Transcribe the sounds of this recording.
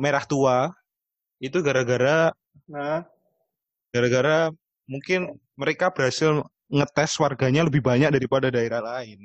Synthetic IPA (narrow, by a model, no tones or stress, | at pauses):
meɾaht̪ua | it̪uɡaɾaɡaɾa | əh | ɡ̥aɾaɡaɾa | muŋkɪn | məɾekab̥əɾɦasɪl | ŋət̪ɛswarɡaɲaləbɪhbaɲak̚daɾipadadaeɾahlaɪn